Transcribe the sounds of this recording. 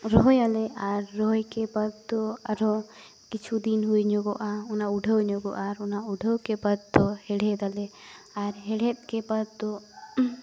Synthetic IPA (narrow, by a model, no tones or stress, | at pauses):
ɾɔɦjalɛʔaɾːɔjkɛpad̪̚d̪ɔaɾɔ | kit͡ʃʰud̪inɦujɲɔɡɔʔaɔnauɖʱəwɲɔɡɔ̰ʔaɾunauɖʱəwkɛpad̪̚d̪ɔhɛɽɛd̪alɛ | aɾɦɛɽɛt̪̚kɛpad̪̚d̪ɔ